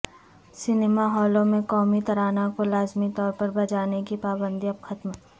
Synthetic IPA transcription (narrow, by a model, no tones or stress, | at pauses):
sɪnemaɦɔːlõmẽkɔːmit̪ɐɾaːnakolaːzmit̪ɔːɾpɐɾbɐd͡ʒaːnekipaːbə̃nd̪iɐbxɐt̪m